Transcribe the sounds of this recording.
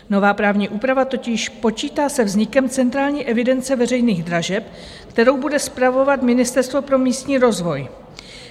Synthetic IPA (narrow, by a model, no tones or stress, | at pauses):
no̞vaːpɾaːvɲiːʔuːpɾavat̪o̞cɪʃpo̞t͡ʃiːt̪aːsɛvzɲɪkɛmt͡sɛnt̪ɾaːlɲiːʔɛvɪdɛnt͡sɛvɛrɛjniːɣd̪ɾaʒɛp | kt̪ɛɾo̞wbudɛspɾavo̞vat̪mɪnɪst̪ɛɾst̪vo̞pɾo̞miːst̪ɲiːɾo̞zvo̞j